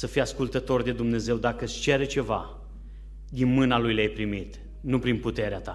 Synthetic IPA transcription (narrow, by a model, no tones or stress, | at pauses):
səfijaskult̪ət̪o̞rd̪e̞d̪umne̞ze̞wd̪akəst͡ʃeɾet͡ʃe̞va̰ | d̪inmɨnalujleajpɾimit̪ | nupɾinput̪e̞ɾeat̪a